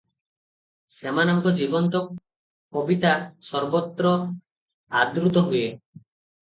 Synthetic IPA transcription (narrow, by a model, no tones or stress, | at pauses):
semanɔŋkɔd͡ʒibɔnt̪ɔ | kobit̪asɔɾbɔt̪ːɾɔ | ad̪ɾut̪ɔɦuje